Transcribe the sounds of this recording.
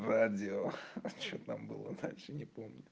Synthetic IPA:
radʲɪot͡ɕot̪ambɨlˠə̰d̪alʲʂɨnʲɪpomnʲʊɪ

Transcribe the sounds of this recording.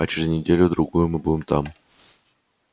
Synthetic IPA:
ɐt͡ɕɪɾʲɪznʲɪdʲelʲʊd̪ɾʊɡujʊmɨbudʲɪmt̪a̰m

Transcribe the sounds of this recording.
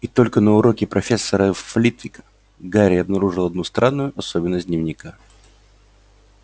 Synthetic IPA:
it̪o̞lʲkənəʊɾo̞kʲɪpɾɐfʲe̞sːəɾəflʲit̪vʲɪk | ɡaɾʲɪɐbnɐɾuʐɨlˠɐd̪nust̪ɾanːʊjʊʔɐsobʲɪnːəsʲd̪ʲnʲɪvnʲɪka

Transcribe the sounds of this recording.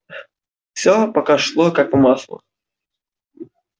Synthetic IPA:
fsʲɔpɐkaʂlˠokakʊmaslˠə̰

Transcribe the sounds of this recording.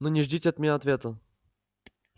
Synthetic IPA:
nonʲɪʐdʲitʲɪɐt̪mʲɪnʲaɐt̪vʲet̪ə

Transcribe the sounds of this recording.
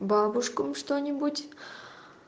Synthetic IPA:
bɑbuʂkəmʂt̪onʲebut̪ʲ

